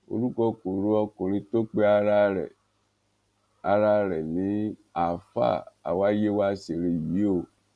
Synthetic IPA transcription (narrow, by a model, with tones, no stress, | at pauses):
o̰˧ɾu˦kɔ˧ko˨ɾu˨˦ɔ˧kũ˨ɾ̃ĩ˧to˦k͡pe˦a˧ɾa˦ɾɛ̰˨ | a˧ɾa˦ɾɛ˨nĩ˨˦a˨fa̰˦˨a̰˨wa˦je˦wa˦se˨ɾe˧ji˨˦o˦˨